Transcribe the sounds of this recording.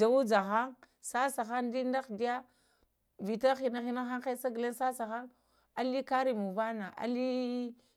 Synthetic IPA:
a˨wu˦d͡ʒa˨xa˦ŋ | sa˦sa˨xa˦ndi˦nda˦xdi˦ja˦ | vi˨ta˦xi˨na˦xi˦na˦xa˦ŋxe˦sa˦ɡle˦nsa˦sa˨xa˦n | a˨li˦ka˦ɾi˨mu˨va˦na˨ʔa̰˨li˦

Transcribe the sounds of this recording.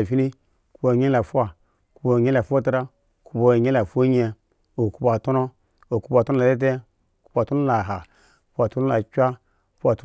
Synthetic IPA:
fi˦ni˦ | ku˦bo˨ɲe˦la˨fu˦a˨ | ku˦bo˨ɲ˦e˦la˨fo˦ta˦ɾa˦˨ | ku˦bo˧˨ɲ˦la˨fo˦ɲe˧ | o˨ku˦ba˨to˦no˦ | o˨ku˦ba˨to˦no˦la˨de˦t̬e˦˨ | ku̥˦ba˨to˦no˦la˨ɦa˨ | ku˦a˨to˦no˦la˨kʲʷa˦˨ | ka˨t

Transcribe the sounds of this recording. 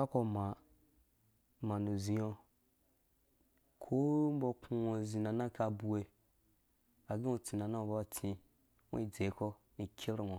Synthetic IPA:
a˦ko˧ma˨ | ma˨nu˨zĩ˨jo˧ | kʰo˦m̩˦bo˧ku˧o˧˨zi˨na˨na˦ka˧bu˧we˨ | a˨ɡĩ˦o˧t͡si˨na˨nã˦o˨ba˦a˦˨t͡sĩ˧ | ŋʷo̰˦i˦˨d͡ze˨˦ko˦ | ni˨kʲʰe˦ɾo˦˨ŋo˨

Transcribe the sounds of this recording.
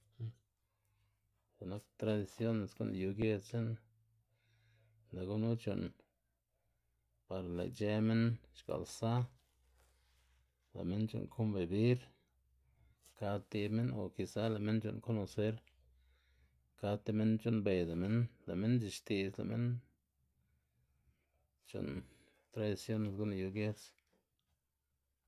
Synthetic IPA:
za˨na˦kt̪ɾa˧d̪i˧sjo˦ne˨sɡṵ˦nju˧ɡe˧t͡se˦n | la˨ɡu˦nu˦t͡ʃṵ˨n | pa˨ɾla̰˨jt͡ʃe˧˦me˦nʃka̰˨lsa˦ | la̰˨me˦nt͡ʃṵ˨nkʰo˦mbe˨bi˦ɾ | ka˧t̪i˧me˦no˨ki˧sa˦la˨me˦nt͡ʃo̰˧˨nko˦no˨se˦ɾ | ka˧t̪i˧me˦nt͡ʃo˦nbe˧˨jd̪a˨me˦nla˨me˦nd͡ʒi˧ʃt̪i˧sla̰˨mḛ˦n | t͡ʃo̰˨n | t̪ɾa˧d̪i˨˧sjo˦ne˧˨s̬ɡu˦na˧ju˧ɡje˦s

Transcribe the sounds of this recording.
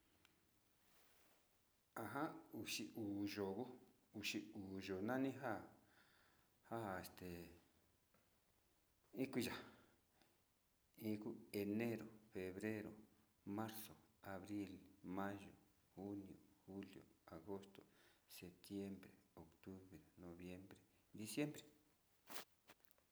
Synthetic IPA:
a˨ɦã˦u˨ʃi˧ʔu˨ʒo˨ɣu˦ | u˨ʃi˧u˨ʒo˨nã˦nĩ˦ɦa˦ | ha˦e˨st̪e˨ | ĩ˦kʷi˦˧ʒa˨ | ĩ˧ku˦e˧ne˦ɾo˨fe˨βɾe˦ɾo̰˨ | mã˦ɾso˨a˨βɾi˦lmã˦ʒo˨ | xu˦njo˨xu˦ljo̰˨a˨ɣo˦st̪o˨se˨t̪je˦mbɾe˨o˨kt̪u˦βɾe˨nõ˨βje˦mbɾe˨d̪i˧sje˦mbɾe˨

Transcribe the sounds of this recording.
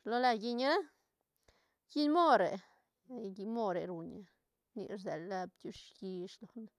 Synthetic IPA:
lo˧la˧ɡi˧ɲa˦ɾa˦ | ɡi˦nmo˦ɾe˨ | ɡi˧mo˦˧ɾe˨ɾu˨ɲa˧ | nḭ˧ɾze˨la˧bt̪ʲu˧ʂɡi˧ʂlo˨n

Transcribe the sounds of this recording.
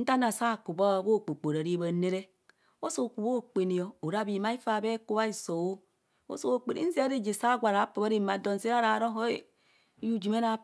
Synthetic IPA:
n̩˦ta˦na˨sa˦˨ku˨ba˦˨bo˦˨k͡po˨k͡po˨ɾa˨ɾi˦ba˨ne˦ɾe˦ | o˦so˨ku˨bo˦˨k͡pe˨ni˨jo˨o˨ɾa˦bi˨ma˦i˦fa˨be˦ku˦βa˦i˦˨so˨wo˦ | o̰˦so˦o˨k͡pe˨ḭ˨˦n̩˦zi˦a˦ɾi˦d͡ʒi˨sa˦ɡʷa˨ɾa˨˦po˨ba˦ɾi˦˨ma˨do˨n˨se˦a˦ɾa˨ɾo˦ɦo˦˨˦ | ju˦d͡ʒi˨me˦na˦

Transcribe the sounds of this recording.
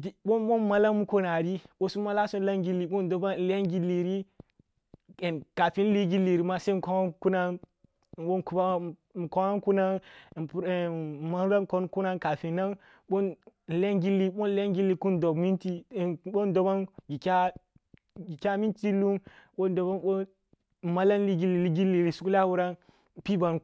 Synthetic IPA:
i˨ɓo˦ɓo˦ma˦la˦mu˦ko˦na˨ɾi˦ɓo˦su˦ma˦la˦so˦n˦la˦ŋɡi˦lːi˨ɓo˦n˦do˦ba˦˨la˦nɡi˦li˨ɾi˦ | e˨nka˨fi˦n˦li˦ɡi˦li˨ɾi˨ma˦se˦m˨ko˦a˦ku˦na˦n˨ | ɓo˦˨ku˨˦ba˦m˨ko˦wa˦n˦ku˦na˦n˨pu˦˨ma˦n˦ɾa˦ko˦nku˦na˦nka˨fi˨na˦n | ɓo˦nn˨le˦nɡi˦lːi˦ɓo˦n˨le˦nɡi˦lːi˨ku˦n˦do˨bmi˦nti˦˨ɓo˦n˦do˨ba˦nɡi˨kʲa˦ | ɡi˨kʲa˦mi˦ti˦lu˦mɓo˦ndo˨ba˦nɓo˦˨ | ma˦la˦n˦li˦ɡi˦lːi˨li˦ɡi˦li˨ɾi˨su˦ku˦la˦wu˦ɾa˦n˨ | pi˦ba˨n

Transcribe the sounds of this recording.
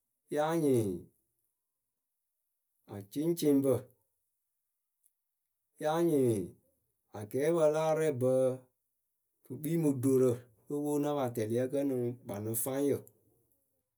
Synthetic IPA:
jaː˦ɲĩː˨ | a˨t͡ʃĩ˦t͡ʃĩ˦bə˧˨ | jaː˦ɲĩː˨ | a˨ɡɛː˨˦ɓə˧˦laː˦˨ɾɛ˦˨bə˧ | kɨ˨k͡piː˦mũ˨do˨ɾə˨ | ə˦wo˦nã˦ɓa˨tɛ˨li˨˦a˦kɜ˦nũ˨˦ɓa˨nũ˨˦fã˦jə˨

